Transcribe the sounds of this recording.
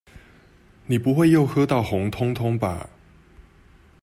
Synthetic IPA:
ni˨˩pu˨˦wa˥˩jjo˥˩ʊkʰɤ˥t̪a˥˩whʊ˨˦ŋt̪ʰʊ˥ŋt̪ʰʊ˥ŋpa̰˨˩

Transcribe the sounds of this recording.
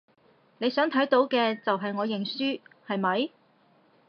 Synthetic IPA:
ne˨˧jsœː˨˥ŋt̪ʰɐ˨˥jt̪o˨˥wkɛː˧t͡sɐ˨wɦɐ˨jŋɔː˨˧jɪ˨˩ŋsyː˥hɐ˨jmɐ˨˧j

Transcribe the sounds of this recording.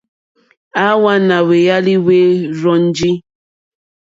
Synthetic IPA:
a˦wa˦na˨we˨ja˦li˦we˦ɾɔ˦n̩˦d͡ʒi˦

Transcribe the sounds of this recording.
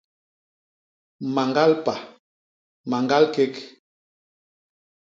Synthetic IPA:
ma˨ŋɡa˦lpa˨ | ma˨ŋɡa˦lke˦k

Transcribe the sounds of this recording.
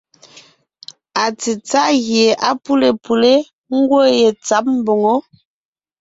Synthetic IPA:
a˨t͡si˨t͡sa˦ɣje˨ʔa˦pu˦le˨pu˨le˦ | ŋ̩˦ɡwo˦je˨t͡sa˦p̚m̩˦bo˨ŋo˦

